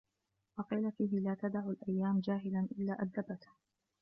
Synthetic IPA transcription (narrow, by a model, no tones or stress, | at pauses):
wɑqiːlafiːɦɪlaːt̪ad̪aʕulʔajːaːmd͡ʒaːɦɪlanʔɪlːaːʔad̪ːabat̪